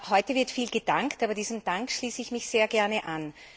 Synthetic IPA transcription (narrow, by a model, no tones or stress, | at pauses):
hɔʏtəvɪɐtfiːlɡəd̥aŋktaːbɐdiːzəm̩d̥aŋkʃliːsəɪçmɪçz̥eːɐɡɛɐnəʔan